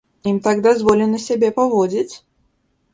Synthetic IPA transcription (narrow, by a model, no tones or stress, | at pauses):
imt̪aɡd̪azvɔlʲɛnɐsʲabʲɛpavɔd͡zʲit͡sʲ